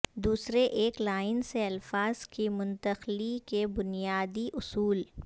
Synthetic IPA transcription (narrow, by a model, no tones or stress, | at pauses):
d̪uːsɾeʔeːklaːɪnseɐlfaːz̥kimʊ̃nt̪əxlikebʊnijaːd̪iʔʊsuːl